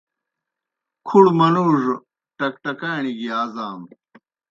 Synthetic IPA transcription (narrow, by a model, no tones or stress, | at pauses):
kʰuɽmɐnuːʐ | ʈɐk̚ʈɐkaːɳiɡiaːzaːm